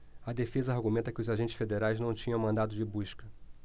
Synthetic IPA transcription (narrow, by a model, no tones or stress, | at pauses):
ɐd̪efezɐːɾɡumẽnt̪ɐkɪʊzaʒẽnt͡ʃɪ̥sfed̪eɾajznɐ̃w̃t͡ʃĩɲɐ̃w̃mɐ̃nd̪ad̪ʊd͡ʒɪbuʃkɐ